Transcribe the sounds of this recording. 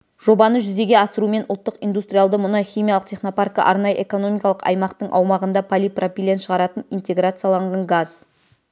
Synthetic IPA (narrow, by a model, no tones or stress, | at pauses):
ʒ̥o̞bɑnəʒʏze̞ɡʲe̞ɑsəɾume̞nʔʊlˠt̪ːəqijnd̪ust̪rʲijalˠd̪əmʊnəχʲijmʲijalˠəq̚t̪ʲʰe̞χno̞parkə̰ʔɑɾnɑjəʔe̞ko̞no̞mʲijkɑlˠəqɑ̰jmɑqt̪əɴʔɑwmɑʁənd̪ɑpʰalʲipropʲilʲe̞nt̪ʃəʁɑɾɑt̪ənint̪e̞ɡɾat̪sɨjalˠɑɴʁɑɴɡaz